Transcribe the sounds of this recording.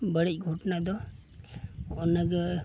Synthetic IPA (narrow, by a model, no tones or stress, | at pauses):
bəɽec̚ɡʱɔʈnad̪ɔ | ɔnaɡə